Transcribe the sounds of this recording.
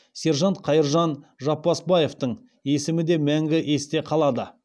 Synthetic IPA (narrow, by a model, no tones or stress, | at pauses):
se̞ɾʒɑnt̪qʰɑjəɾʒɑnʒɑpːɑsbɑje̞ft̪əɴ | e̞sɪmɪd̪e̞mæŋɡʲɪʔe̞st̪e̞qʰɑlˠɑd̪ə